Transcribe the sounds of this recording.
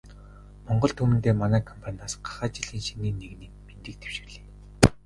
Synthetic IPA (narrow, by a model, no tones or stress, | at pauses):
mɔɴɢɞ̆ɮt̪ʰɵmɘ̆nt̪eːmanæːkʰɔmpʰanʲaːsɢḁχaːt͡ɕiɮiːnʃiniːnːeɣniːkment̪ɘ̆k̚t̪ʰe̥w̥ʃɪ̥̆rɮeː